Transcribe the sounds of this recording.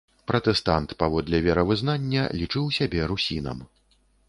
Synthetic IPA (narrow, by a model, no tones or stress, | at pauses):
pɾɐt̪ɛst̪ant̪pavɔd̪lʲɛvʲɛɾɐvɨznanʲːɐ̰lʲit͡ʂɨwsʲabʲɛɾusʲinɐ̰m